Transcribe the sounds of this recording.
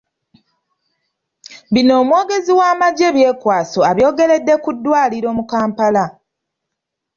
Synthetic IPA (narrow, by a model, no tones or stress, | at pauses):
βino̞ːmwo̞ːɡe̞ziwaːmaɟe̞βje̞ːkwaːso̞aβjo̞ːɡe̞le̞dːe̞kudːwaːliɾo̞ːmukaːmpala